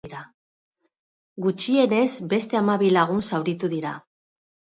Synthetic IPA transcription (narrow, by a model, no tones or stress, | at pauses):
ɾa | ɡut͡ʃie̞ne̞zbe̞st̪e̞amaβilaɣ̞unsawɾit̪uðiɾa